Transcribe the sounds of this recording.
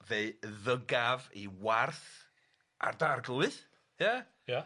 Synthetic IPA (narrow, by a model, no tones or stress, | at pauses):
veɨðəɡaviwarθ | ʔa̰rdarɡlˠɨθ | ja | ja